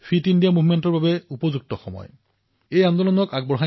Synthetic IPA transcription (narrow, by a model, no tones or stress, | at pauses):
fʰitindijamuvmɛntɔɹbabɛupɔzuk̚tɔxɔmɔ̰j | ejand̪ɔlɔnɔkaɡ̚bɔɹɦa